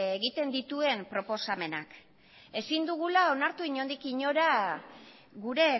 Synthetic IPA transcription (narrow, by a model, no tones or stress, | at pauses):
eɣit̪e̞nd̪it̪ue̞mpɾo̞po̞same̞nak | e̞sind̪uɣ̞ulao̞naɾt̪uiɲo̞nd̪ikiɲo̞ɾa | ɣuɾe̞